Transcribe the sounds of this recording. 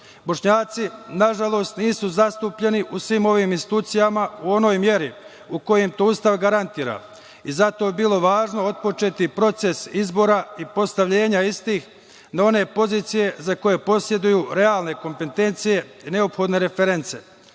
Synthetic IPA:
bo̞ʃɲaːt̪sinaʒalˠo̞ːst̪niːsuzast̪uːpʎe̞niʔusʋiːmo̞ʋiːminsit̪uːt̪sijamauo̞no̞ːjmje̞ɾi | uko̞jemt̪oust̪aʋɡaɾant̪iːɾa̰ | izat̪o̞ebilˠo̞ʋaːʒno̞od̪̚po̞t͡ʃe̞t̪ipɾo̞t̪se̞sizbo̞ːɾaipo̞st̪aʋʎe̞ːɲaist̪iːx | nao̞ne̞po̞ziːt̪sije̞zako̞je̞po̞sje̞d̪ujuːɾe̞aːlˠne̞ko̞mpe̞t̪e̞nt̪sije̞ine̞o̞pxo̞d̪ne̞ɾe̞feɾe̞nt̪se̞

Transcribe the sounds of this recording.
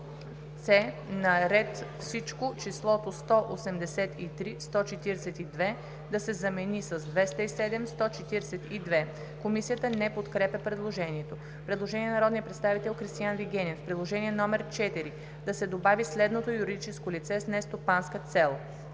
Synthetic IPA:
t̪sɛ | nɐɾɛt̪fsit͡ʃkot͡ʃislˠɔt̪ost̪ɔʔosɛmd̪ɛsɛt̪it̪ɾist̪ɔt͡ʃɛt̪iɾɛsɛt̪id̪vɛ | d̪ɐsɛzɐmɛnisəzd̪vɛst̪əisɛd̪ɛmst̪ɔt͡ʃɛt̪iɾɛsɛt̪id̪vɛ | komisijət̪ənɛpot̪kɾɛpʲəpɾɛd̪lˠoʒɛniɛt̪o | pɾɛd̪lˠoʒɛniɛnɐɾɔd̪nijəpɾɛt̪st̪avit̪ɛlˠxɾist̪ijanviɡɛnʲɛnfpɾɛd̪lˠoʒɛniɛnɔmɛɾt͡ʃɛt̪iɾi | d̪ɐsɛd̪obavislɛd̪not̪ojuɾid̪it͡ʃɛskolit̪sɛsnɛst̪opanskət̪sɛlˠ

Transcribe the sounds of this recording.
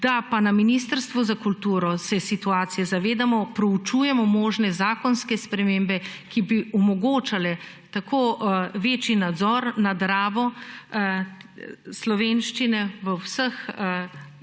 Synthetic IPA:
d̪̥apanaminiːst̪əɾst̪ʋɔzakult̪uːɾɔsɛsit̪uaːt̪sijɛzaʋeːd̪amɔpɾɔut͡ʃuːjɛmɔmoːʒnɛzaːkɔnskɛspɾɛmembɛkibiʔɔmɔɡoːt͡ʃalɛ | t̪akʰoːʋeːt͡ʃinad̪zɔɾnad̪ɾaːʋɔ | slɔʋeːnʃt͡ʃinɛʋəwsəx

